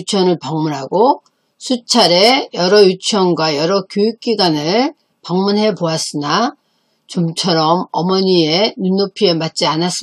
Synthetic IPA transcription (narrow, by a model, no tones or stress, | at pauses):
t͡ɕʰʌnɯɭpʌŋmunɦaɡo | sʰut͡ɕʰaɾe̞jʌɾʌjut͡ɕʰjʌnɡwajʌɾʌkjojuk̚k͈iɡwanɯɭ | paŋmunɦe̞boas͈ɯna | t͡ɕomt͡ɕʰʌɾʌmʌmʌɲie̞nunːopʰie̞mat̚t͡ɕ͈ianas͈ɯ